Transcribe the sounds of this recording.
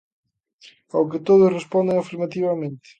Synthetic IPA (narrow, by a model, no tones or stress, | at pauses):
awk̬ɪt̪oðʊsrespond̪eŋafiɾmat̪iβɐmẽnt̪ɪ̥